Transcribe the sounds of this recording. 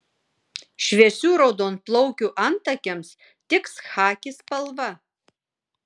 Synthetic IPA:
ʃʲʋʲiɛsʲuːɾɒʊd̪oːnt̪̚plˠɔʊkʲuːʔɐnt̪ɐkʲɛms | t̪ʲɪksxɑːkʲɪspɐlˠʋɐ

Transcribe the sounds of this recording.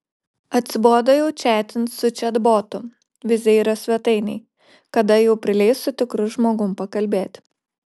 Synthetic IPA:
ɐt̪ʲsʲɪb̪oːd̪ɐjɛʊt͡ʃʲæːt̪ʲɪnsʊt͡ʃʲɛd̪boːt̪ʊ | ʋʲɪzʲɛiɾɐsʲʋʲɛt̪ɐɪnʲɛɪ | kɐd̪ɐjɛʊpʲɾʲɪlʲɛɪsʊt̪ʲɪkɾʊʒmoːɡʊmpɐkɐlʲbʲeːt̪ʲ

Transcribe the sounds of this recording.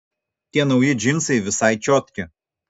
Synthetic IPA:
t̪ʲiɛnɒʊjɪd͡ʒʲɪmsɐɪʋʲɪsɑɪt͡ʃʲɔt̪ʲkʲɪ

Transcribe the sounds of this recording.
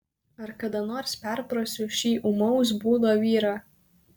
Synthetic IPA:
ɐɾkɐd̪ɐnoːɾspʲɛɾpɾosʲʊʃʲiːʔʊmɔʊs̬buːd̪oːʋʲiːɾɑ

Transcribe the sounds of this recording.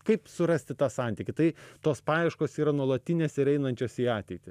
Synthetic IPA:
kɐɪpsʊɾɐsʲt̪ʲɪt̪ɑːsɑnʲt̪ʲɪkʲɪt̪ɐɪt̪oːspɑːjɛɪʃkoːsiːɾɐnuɔlˠɐt̪ʲɪnʲeːsʲɪɾɛɪnɐnʲt͡ʃʲoːsʲiːɑːt̪ʲɛɪt̪ʲɪ

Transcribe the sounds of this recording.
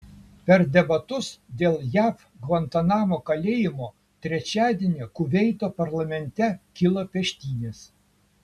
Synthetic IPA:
pʲɛɾd̪ʲɛbɐt̪ʊsd̪ʲeːlˠjæːf | ɡʋɐnt̪ɐnɑːmoːkɐlʲeːjɪmoː | t̪ʲɾʲɛt͡ʃʲæːd̪ʲeːnʲeːkʊʋʲɛɪt̪oːpɐɾlˠɐmʲɛnʲt̪ʲɛkʲɪlˠɐpʲɛʃʲt̪ʲiːnʲeːs

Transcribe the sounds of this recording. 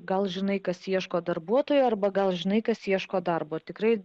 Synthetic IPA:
ɡɐlˠʒʲɪnɐɪkɐsiɛʃkoːd̪ɐrbuɔt̪oːjoːɐrbɐɡɐlˠʒʲɪnɐɪkɐsiɛʃkoːd̪ɐrboːt̪ʲɪkɾɐɪ

